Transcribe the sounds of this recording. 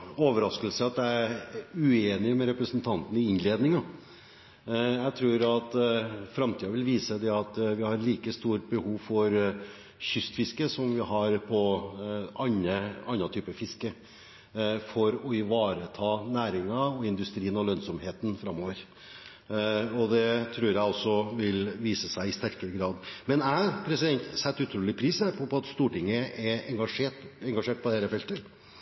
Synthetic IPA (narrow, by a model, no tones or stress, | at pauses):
oːʋəɾɑskəlsəɑt̪̚d̪ɛæɾʉeːnɪmɛɾɛpɾəsənt̪ʰɑnt̪ən̩ɪɪnleːd̪nɪŋɑ | jæt̪ʰɾuːɾɑt̪fɾɑmt̪ʰiːɑʋɪlʋiːsəd̪ɛɑt̪ʋɪhɑɾɭiːkəst̪uːɾbəhuːʋfɔɾ | ɕʏst̪fɪskəsɔmʋɪɦɑɾpʰɔ | ʔɑɲːəɑnːɑt̪ʰyːpəfɪskə | fɔɾɔɪʋɑːɾət̪ʰɑːnæːɾɪŋɑɔɪnd̪ʉst̪ɾiːənɔlœnsɔmheːt̪nfɾɑmːoːʋəɾ | ɔd̪ɛt̪ʰɾʉːɾjæɪɔsɔʋɪlʋiːsəsæɪɪst̪æɾkəɾəɡɾɑːd̪mɛnæpʰɾɛsɪd̪ɛnt̪sɛt̪ːʉt̪ʰɾuːlɪpʰɾiːsæɾpʰɔpʰɔɑt̪st̪uːʈɪŋːəɛɛŋɡɑʂeʈɛŋɡɑʂeːʈ̚pʰɔd̪ɛɾəfɛlt̪ə